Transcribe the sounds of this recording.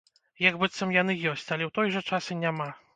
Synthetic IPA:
jaɡbɨt̪sɐmjanɨjɔsʲt͡sʲalʲɛwt̪ɔjʐɐt͡ʂasɨnʲama

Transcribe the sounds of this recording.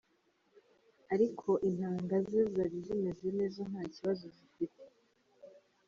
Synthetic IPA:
aɾikʰo̞ʔin̥haːŋɡazezaβizemezene̞ːzon̥haːciβazoɟifite̥

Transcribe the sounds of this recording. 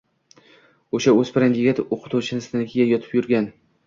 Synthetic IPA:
oʃaɵz̥pɪɾanʲɪɡʲat̪oqʰɨ̥t̪ʰuwt͡ʃʰɪnɪst̪ʰanɪkʲʰijajɒt̪ʰɪ̥pjʊɾɡʲan

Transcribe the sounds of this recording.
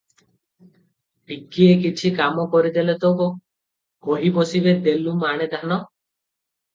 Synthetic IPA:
ʈikiekit͡ʃʰikamɔkɔɾid̪elet̪oko | koɦibɔsibed̪elumaɽ̃ed̪ʱanɔ

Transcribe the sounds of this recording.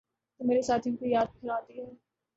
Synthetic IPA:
t̪omeːɾesaːt̪ʰjʊ̃nkoijaːd̪̚pʰɪɾaːt̪iɦɛː

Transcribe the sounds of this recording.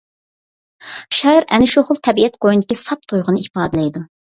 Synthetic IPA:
ʃɑɾɛ̰nɪʃuχʊlˠt̪ʰɛbiɛt̪̚qojind̪ɪkʲisɑp̚t̪ʰojʁʊnɨipɑːd̪ɨlɛjd̪u

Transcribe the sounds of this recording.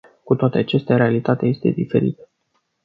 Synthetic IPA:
kut̪oat̪e̞at͡ʃest̪eaɾe̞alit̪at̪eje̞st̪e̞̰d̪ife̞̰ɾḭt̪ə̥

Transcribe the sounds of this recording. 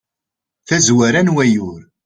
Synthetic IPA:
θæzwæɾænwæjʊɾ

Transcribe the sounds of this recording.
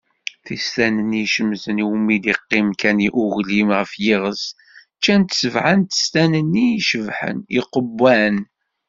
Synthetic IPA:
θist̪ænəniʃəmːzəniwmːid̪iqːɪmkæniʔuɣlimʁəfjɪʁəs | t͡ʃːænt̪səvʕant̪ə̥st̪ænənːiʃəvħə̰niqəbːæn

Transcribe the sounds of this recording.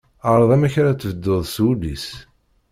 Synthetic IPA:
əɾˤðˤæmæçɾat͡sːvəd̪ːoðˤswulḭs

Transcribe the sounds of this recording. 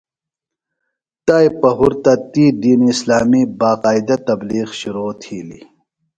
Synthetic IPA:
t̪ajpɐɦuɾt̪ɐt̪id̪iːniːslaːmibaːqaːid̪ɐt̪ɐbliːqɕuɾoːt̪ʰiːlḭ

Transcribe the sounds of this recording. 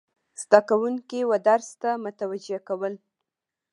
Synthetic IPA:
z̥d̪akawuŋkiwəd̪aɾst̪amʊt̪awad͡ʒeakawəl

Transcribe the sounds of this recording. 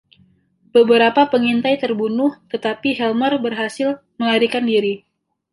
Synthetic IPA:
b̥əbəɾapapəŋint̪ajt̪ərbunʊht̪ət̪apiɦɛlmɔrbərɦasɪl | məlaɾikandiɾi

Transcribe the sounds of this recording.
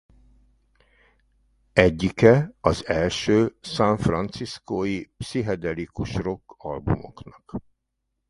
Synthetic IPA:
ɛɟːikɛɒzɛlʃøːsaɱfrɒnt̪siskoːjipsiɦɛd̪ɛlikuʃro̞kːɒ̰lbṵmo̞̰knɒk

